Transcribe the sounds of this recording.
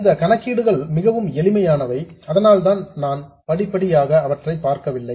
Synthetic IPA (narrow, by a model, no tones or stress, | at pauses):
ɪnd̪ɐkɐɳɐkːiːɽɯɣɐɭmɪɣɐʋɯmɛlɪmɐjaːnɐʋɐɪɐðɐnaːlt̪aːnnaːn | pɐɽɪpːɐɽɪjaːɣɐːʋɐʈrɐɪpːaːɾkɐʋɪlːɐɪ